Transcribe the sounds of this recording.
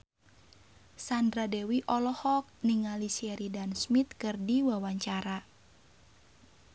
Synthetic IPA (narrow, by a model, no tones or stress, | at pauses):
sandɾadɛwiʔɔlɔhɔk̚niŋalisiɛɾidansmit̪̚kɨrdiwawaɲt͡ʃaɾa